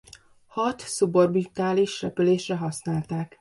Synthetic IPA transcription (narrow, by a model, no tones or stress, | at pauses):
hɒt̪suborbit̪aːliʃrɛpyleːʃrɛɦɒsnaːlt̪aːk